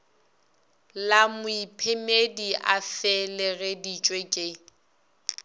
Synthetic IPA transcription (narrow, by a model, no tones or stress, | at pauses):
lamʊipʰemediʔafɛlɪɣedit͡ʃʼwekʼe